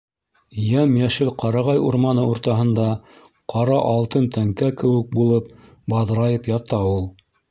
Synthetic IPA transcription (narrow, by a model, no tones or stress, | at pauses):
jæmjæʃɘlqɑɾɑʁɑjuɾmɑnɤuɾt̪ɑɦɤ̆nd̪ɑ | qʰɑɾɑʔɑlˠt̪ɤnt̪æŋkækɘ̆wɘ̆k̚bulˠɤp̚ | bɑðɾɑjɤpjɑt̪ɑulˠ